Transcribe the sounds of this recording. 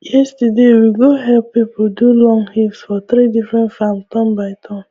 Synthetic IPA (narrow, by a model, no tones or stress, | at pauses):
jɛstədewiɡoɦɛlpːipodulɔ̃ŋhilsfɔt̪ɾidifɾɛ̃ntfam̩tɔ̃mbaɪtʰɔ̃m